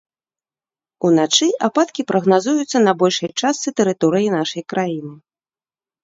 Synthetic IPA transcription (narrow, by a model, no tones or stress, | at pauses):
unat͡ʂɨʔapat̪kʲipɾɐɣnazujut̪sːɐnɐbɔlʲʂɐjt͡ʂast̪sɨt̪ɛɾɨt̪ɔɾɨjinaʂɐjkɾʔajinɨ